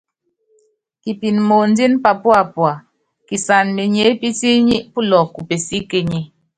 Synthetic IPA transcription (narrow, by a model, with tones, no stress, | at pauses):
ki˨pi˨nmo˨n˦di˦npa˨pwa˨pwa˨ | ki˨sa˨nme˨ɲe˨˦pi˦ti˦ɲi˦ʔpu˦lɔ˨ku˨pe˨si˦ke˦ɲi˨